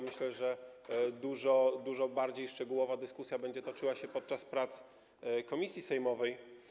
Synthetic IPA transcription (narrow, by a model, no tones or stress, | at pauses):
mɘɕlɛʐɛd̪uʐɔd̪uʐɔbaɾd͡ʑejʂt͡ʂɛɡuwɔvad̪ɘskusʲjabɛɲd͡ʑɛt̪ɔt͡ʂɘwaɕɛpɔt̪̚t͡ʂaspɾat̪s | kɔmʲisʲjisɛjmɔvɛj